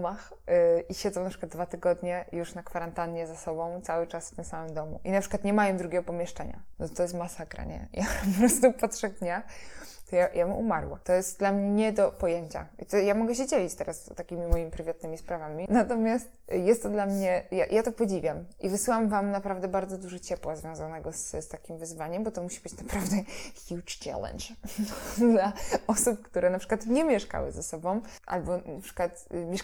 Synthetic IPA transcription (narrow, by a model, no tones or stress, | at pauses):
max | ʔiɕɛd̪zɔ̃wnapʂɘ̥kwad̪d̪vat̪ɘɡɔd̪ɲɛjuʂnakfaɾant̪anɲɛzasɔbɔ̃w̃t̪sawɘt͡ʂasft̪ɘmsamɘmd̪ɔmṵʔinapʂɨkwat̪ɲɛmajɛmd̪ɾuɡʲɛɡɔpɔmʲjɛʂt͡ʂɛɲa̰nɔt̪ɔjɛst̪masakɾa̰ɲɛ̰japɔpɾɔst̪upat̪ʂɛɡd̪ɲat̪ɔjajabʔṵmaɾwa̰t̪ɔjɛst̪̚d̪lamɲɛɲɛd̪ɔpɔjeɲt͡ɕa̰it̪ɔjamɔɡɛɕɛd͡ʑelʲit͡ɕt̪ɛɾast̪akʲimʲimɔjimipɾɘvat̪̚nɘmʲispɾavamʲinat̪ɔmʲjast̪jɛst̪ːɔd̪lamɲɛjajat̪ɔpɔd͡ʑivʲjamʔivɨsɘwamvamnapɾavd̪ɛbaɾd̪zɔd̪uʐɔt͡ɕɛpwazvʲjɔ̃w̃zanɛɡɔsst̪akʲimvɘzvaɲɛmbɔt̪ɔmuɕibɘt͡ɕnapɾavd̪ɛxʲjut͡ʂt͡ɕa̰lɛ̰nt͡ʂ | d̪laɔsup̚kt̪uɾɛnapʂɘkwat̪ɲɛmʲjɛʂka̰wɘ̰zɛsɔbɔ̃w̃ʔa̰lbɔnapʂɘ̥kwat̪mʲjɛʂ